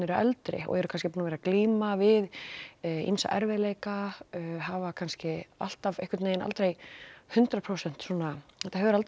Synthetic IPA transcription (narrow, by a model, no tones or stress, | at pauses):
nɪɾɛlt̪ɾɪ̰ɔ̰ɛɾʏkʰanscɪpunavɛɾakliːmavɪð | ḭnsa̰ʔɛ̰ɾvɛðleːjkaɦavakʰanscɪa̰l̥t̪avḛjhkʏt̪nejɪna̰lt̪ɾejhʏnt̪ɾapʰɾowsɛn̥t̪suɔːnaɛt̪ːahɛvɾalt̪